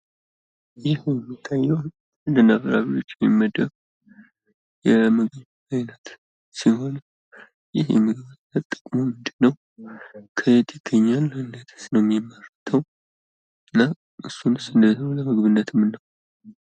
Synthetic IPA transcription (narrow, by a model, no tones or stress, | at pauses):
jɪhjɛmːit̪ʰːajːɛw | ɨnd̪ənːaβɾaβiwo̞t͡ʃːɪmimːəd̪əβ | jɛmɨɡβ | ajnət̪ | siɦo̞n | jɪhjɛ̰mɨɡβɨnːət̪ːʼə̥kʼmomːɨnd̪ɨnːəw | kʰəet̪ʰɪɡʰəɲːalːəhɨnːət̪ʰɨ̥snəwmjimːərɨt̪ʰəw | ɨnːa | ʔɨsːunɨsɨnd̪ət̪əoləmɨɡβɨnːət̪ʰɨmːɨnːaw